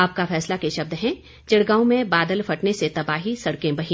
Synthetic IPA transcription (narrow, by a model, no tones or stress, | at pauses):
aːp̚kafɛːslakeʃɐb̚d̪ɦɛ̃ | d͡ʒɪɽɡaːõmẽbaːd̪əlfʰɐʈneset̪ɐbaːɦisɐɽkẽbɐɦĩː